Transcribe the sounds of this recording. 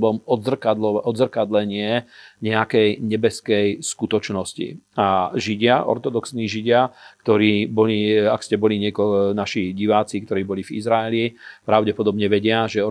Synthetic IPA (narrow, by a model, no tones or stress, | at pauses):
bɔmɔd̪zr̩kad̪lɔʔɔd̪zrkad̪lɛɲɪɛɲɛakɛjɲɛbɛskɛjskut̪ɔt͡ʃnɔscḭaʒiɟɪaʔɔ̰ɾt̪ɔd̪ɔksniʒiɟɪakt̪ɔɾiːbɔliakscɛbɔliɲɪɛkɔɔnaʃiɟiʋaːt͡sikt̪ɔɾiːbɔlivḭzɾaɛlipɾaʊɟɛpɔd̪ɔbɲɛʋɛɟɪaʒɛɔ